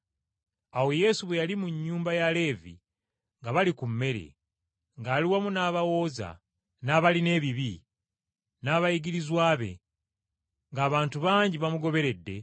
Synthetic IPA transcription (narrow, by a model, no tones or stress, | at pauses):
awo̞je̞ːsuβwe̞jalimuɲːuːmbajale̞ːvḭ | ŋɡaβalikumːe̞ɾe̞̰ | ŋɡaːliwamunaːβawo̞ːza̰ | naβaline̞ːβiβi | naːβajiɡiɾizwaːβe̞̰ | ŋɡaːβaːntuβaːɲɟiβamuɡo̞βe̞ɾe̞dːe̞